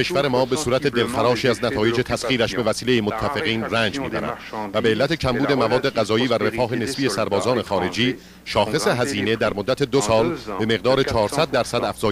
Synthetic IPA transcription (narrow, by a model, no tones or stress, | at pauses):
eʃvæɾe̞mɒːbe̞suːɾæt̪ʰe̞d̪e̞lxæɾɒːʃiːæznæt̪ʰɒːje̞d͡ʒe̞t̪ʰæsχiːɾæʃbe̞væsiːle̞jemot̪ʰːæfe̞ɣiːnræːnd͡ʒmiːbæ̰ɾæ̰nd̪̥væbe̞ːlːæt̪ʰe̞cʰæmbuːd̪e̞mævɒːd̪ːe̞ɣæzɒːjiːvære̞fɒːɦe̞ne̞sbiːe̞sæɾbɒːzɒːne̞xɒːɾe̞d͡ʒiː | ʃɒːxe̞se̞ɦæziːne̞d̪æɾmod̪ːæt̪ʰe̞d̪osɒːlbe̞me̞ɣd̪ɒːɾe̞t͡ʃʰɒːɾsæd̪̚ːæɾsæd̪æfz̥ɒː